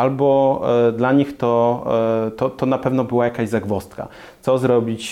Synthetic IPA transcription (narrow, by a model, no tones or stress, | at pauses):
albɔd̪laɲixt̪ɔ | t̪ɔt̪ɔnapɛvnɔbɘwajakaʑzaɡvɔst̪ka̰ | sɔzɾɔbʲit͡ɕ